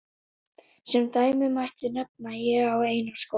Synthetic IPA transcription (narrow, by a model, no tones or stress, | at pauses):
sɛmt̪aːjmʏmajht̪ʏnɛp̚najɛɣaweːjnasko